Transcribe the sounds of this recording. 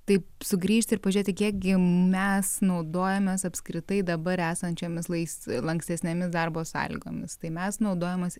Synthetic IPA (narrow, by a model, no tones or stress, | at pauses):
t̪ɐɪsʊɡɾʲiːʃʲt̪ʲɪɾpɐʒʲʊɾʲeːt̪ʲɪkʲiɛkɡʲɪmʲɛsnɐʊd̪oːjɛmʲeːsɐpʲskɾʲɪt̪ɐɪd̪ɐbɐɾæːsɐnʲt͡ʃʲoːmʲɪslˠɐɪslˠɐŋksʲt̪ʲɛsʲnʲemʲɪsd̪ɐrboːsɑ̰ːlʲɪ̰ɡo̰ːmʲɪst̪ɐɪmʲɛsnɐʊd̪oːjɛmɐs